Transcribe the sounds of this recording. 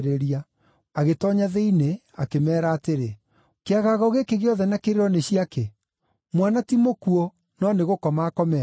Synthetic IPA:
ɾeɾia | aɣetɔɲaðeine | akemɛːɾaːteɾe | keaɣaɣɔɣekeɣeɔðɛnakeɾeɾɔneɕiake | mwanatimokuo | nɔneɣokɔmaːkɔmɛ

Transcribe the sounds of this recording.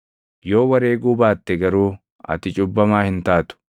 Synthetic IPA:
jo̞ːwɐɾeːɡuːbaːt̪ːɛɡɐɾuː | ɐ̰t̪ɪt͡ʃʼʊbːɐmaːhɪnt̪aːt̪ʊ̥

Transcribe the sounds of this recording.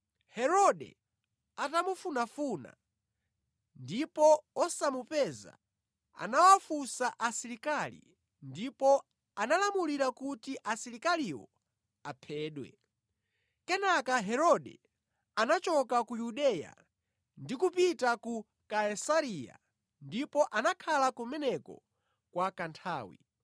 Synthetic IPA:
hɛɾɔɗɛ̰ | atamufunafuna̰ | ndipɔɔsamupɛza̰ | a̰nawafusaʔasiɾikalḭ | ndipɔ | analamuliɾakutiʔasiɾikaliwɔ̰ | apʰɛːɗwɛ̰ | kɛnakaɦɛɾɔɗɛ̰ | anat͡ʃɔkakujuɗɛja̰ | ndikupitaku | kaɛsaɾija̰ | ndipɔʔanakʰalakumɛnɛkɔ̰ | kwakantʰaːwḭ

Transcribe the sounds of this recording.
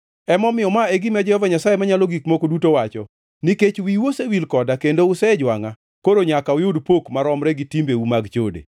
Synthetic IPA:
ɛmɔmɪjɔmaeɡimɛd͡ʒɛhɔvaɲasajemaɲalɔɡikmokodutowat͡ʃɔ | niket͡ʃwiwosewilkɔdakendoʊsɛd͡ʒwaŋa | koɾoɲakawɪjʊdpokmaɾɔmɾɛɡitimbeumaɡt͡ʃodḛ

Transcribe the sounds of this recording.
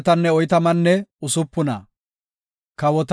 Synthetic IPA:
t̪ɐnːɛɔjt̪ɐmɐnːɛʊsʊpːʊnɐ̰ | kɐwɔt̪

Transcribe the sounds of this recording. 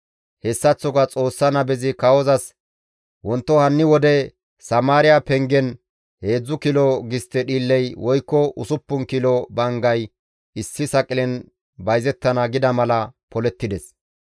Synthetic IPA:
hɛsːɐt͡sːɔɡɐt͡sʼo̞ːsːɐnɐbɛzɪkɐwɔzɐs | wɔnt̪ːɔhɐnːɪwɔd̪ɛ | sɐmaːɾɪjapɛŋɡɛn | he̞ːd͡zːʊkɪlɔɡɪst̪ːɛɗiːlːɛjwɔjkːɔʔʊsʊpːʊnkɪlɔbɐŋɡɐj | ɪsːɪsɐkʼɪlɛn | bɐjzɛt̪ːɐnɐɡɪd̪ɐmɐlɐpɔlɛt̪ːɪd̪ɛs

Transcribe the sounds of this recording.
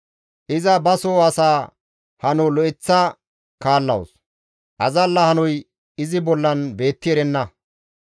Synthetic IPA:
ʔɪzɐbɐsoːɐsaː | hɐnɔlɔɪt͡sːa | kaːlːɐ̰w̰s | ʔɐzɐlːɐhɐnɔj | ɪzɪbɔlːɐnbe̞ːt̪ːɪɛɾɛnːɐ

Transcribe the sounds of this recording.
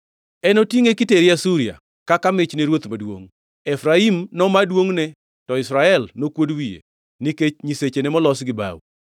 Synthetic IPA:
ɛnotiŋekɪteɾɪasuɾia̰ | kakamɪt͡ʃneɾwot̪madwo̰ŋ | ɛfɾaimnɔmadwoŋnɛ | tɔɪsɾaɛlnokwodwijḛ | niket͡ʃɲiset͡ʃenɛmɔlɔsɡɪba̰w̰

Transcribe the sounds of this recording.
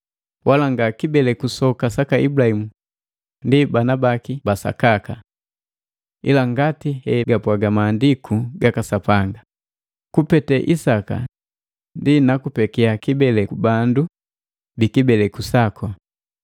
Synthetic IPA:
wʔalaŋɡakibɛlɛkusɔkasakaḭbulahimu | ndibanabakibasa̰kaka | ḭlaŋɡatihɛɡapwaɡamaːndikʰuɡakasapaŋɡa | kupɛtɛʔisaka̰ | ndinakupɛkiakibɛlɛkubandu | bikibɛlɛkusakʰɔ

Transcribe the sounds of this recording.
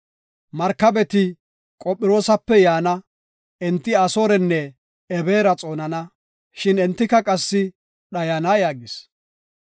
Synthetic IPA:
mɐɾkɐbɛt̪ɪ | kʼɔpʼːɪɾo̞ːsɐpːɛjaːnɐ | ʔɛnt̪ːɪɐsoːɾɛnːɛ | ɛbe̞ːɾɐt͡sʼo̞ːnɐnɐ | ʃɪnɛnt̪ːɪkɐkʼɐsːɪ | ɗɐjanaːjaːɡɪs

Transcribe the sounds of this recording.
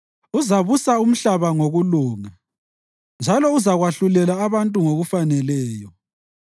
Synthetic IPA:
uzaβusaum̩ɬaβaŋoɣuluːŋa | nd͡ʒʱalɔuzaɣwaɬulɛlaːβantʼuŋoɣufanɛlɛːjɔ

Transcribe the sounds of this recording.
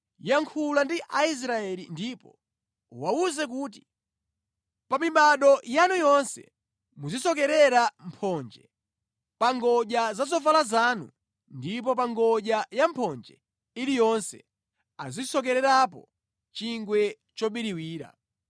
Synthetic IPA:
jaŋkʰulandiʔais̬ɾaɛlindipɔ̰ | uwauzɛk̬uːt̬i̥ | pamiɓaɗɔjanujɔnsɛ̰ | muzisɔkɛɾɛɾampʰɔnd͡ʒɛ̰ | paŋɡɔʄazazɔfalazanṵ | ndip̬ɔpaŋɡɔʄajampʰɔnd͡ʒɛ̰ | ilijɔnsɛ̰ | azisɔk̬ɛɾɛɾap̬ɔ | t͡ʃiŋɡwɛ | t͡ʃɔɓiɾiwiːɾa̰

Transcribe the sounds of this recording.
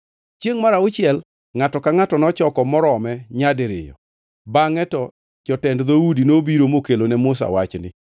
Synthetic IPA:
t͡ʃjeŋmaɾaʊt͡ʃɪɛl | ŋatɔkaŋatɔnɔt͡ʃɔkɔmɔɾɔmɛɲadɾɪ̰jɔ̰ | baŋɛtɔ | t͡ʃɔtɛndðoudinobiɾomokelonɛmʊs̬a̰wat͡ʃnɪ̰

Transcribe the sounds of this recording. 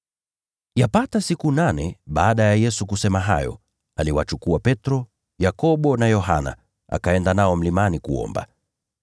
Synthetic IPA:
japatasikunanɛɓaːɗajajɛsukusɛmaɦa̰jɔ̰ | aliwat͡ʃukuapɛtɾɔ | jakɔɓɔnajɔɦa̰na̰ | a̰kaɛndanaɔm̩limanikuɔ̰mba̰

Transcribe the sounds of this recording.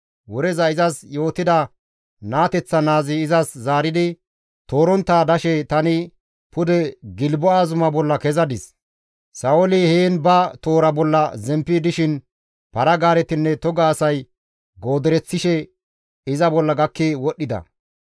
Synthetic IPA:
wɔɾɛzɐɪzɐsjo̞ːt̪ːɪd̪ɐ | naːt̪ɛt͡sːɐnaːzɪːzɐszaːɾɪd̪ɪ | t̪o̞ːɾɔnt̪ːaːd̪ɐʃɛt̪ɐnɪ | pʊd̪ɛɡɪlbɔaːzʊmɐbɔlːɐkɛzɐd̪ɪs | sɐwɔlɪheːnbɐt̪o̞ːɾɐbɔlːɐzɛmpːɪd̪ɪʃɪn | pɐɾɐɡaːɾɛt̪ɪnːɛt̪ɔɡaːsɐj | ɡo̞ːd̪ɛɾɛt͡sːɪʃɛ | ɪzɐbɔlːɐɡɐkːewɔɗːɪd̪ɐ̰

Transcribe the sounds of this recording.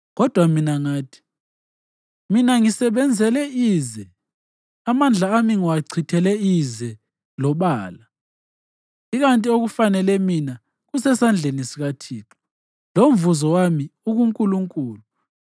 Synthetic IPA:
ɣɔd̥ʱwaminaŋaːtʰi̥ | minaŋisɛβɛnd͡zʱɛlɛiːzɛ | amand͡ɮʱaːmiŋwaǀʰitʰɛlɛizɛ | lɔɓaːla | iɣantʼioɣufanɛlɛmina | ɣusɛsand͡ɮʱenisiɣatʰiːǁɔ̥ | lomvuzɔwamiuɣuŋkʼuluŋkʼuːlu

